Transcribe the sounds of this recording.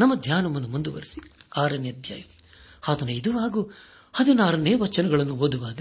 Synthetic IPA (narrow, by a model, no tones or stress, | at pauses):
nɐmːɐd̪ʱjaːnɐmɐnːumund̪uʋɐ̰ɾisiaːɾɐnjɐd̪ʱja̰ːjɐ | aːt̪ʰɐnɐid̪uʋaːɡu | hɐd̪inaːɾɐneːʋɐt͡ʃɐnɐɡɐɭɐnːuɦoːd̪uʋaːɡɐ